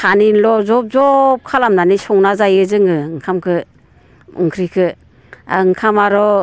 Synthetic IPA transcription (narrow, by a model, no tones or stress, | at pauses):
kʰaninlɔzɔp̚zɔp̚kʰalamnanisɔŋnazajɯzɯŋɯɯŋkʰamkʰɯ | ɯ̰ŋkʰɾikʰɯ | a̰ɯŋkʰamaɾɔ